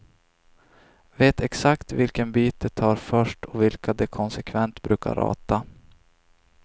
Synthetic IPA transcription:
veːt̪ɛksakt̪vɪlkənbiːt̪̚d̪ɛt̪ʰɑːɾfœʂʈɔvɪlkʰad̪ɛkʰɔnsɛkʰvɛnt̪bɾʉ̟ːka̰ɾɑ̰ːt̪a

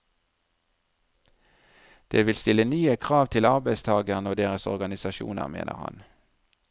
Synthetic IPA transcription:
d̪̥eːʋɪlst̪ɪlənyːəkʰʁɑːʋt̪ʰɪlɑʁbæɪst̪ʰɑːɡəʁnoːd̪eːʁəsɔ̰ʁɡɑnɪsɑʃṵːnə̰ʁmḛːnʔə̰ʁhɑ̰n

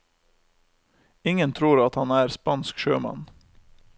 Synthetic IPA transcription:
ɪŋənt̪ʰɾuːɾɑt̪hɑnæːɾspɑnskʃøːmɑ̰n

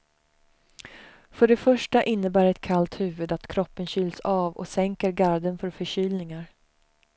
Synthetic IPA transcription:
fœɖɛfœʂʈaʔɪnːəbæːɾɛt̪kʰalt̪hʉ̟ːvɵd̪at̪kʰɾɔpːənɕʏːlsɑːvɔ̰sɛŋkəɾɡaɾd̪ənfœɾfœɕyːlnɪŋaɾ

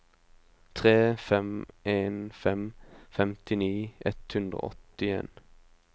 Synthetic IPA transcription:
t̪ʰʁeːfɛmʔeːnfɛmfɛmt̪ɪniːʔɛt̪hʉnd̪ʁə̰ɔ̰t̪ɪḛːn

